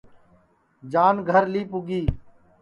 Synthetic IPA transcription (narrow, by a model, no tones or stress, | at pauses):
d͡ʒaːnɡʱəɾliːpʊɡiː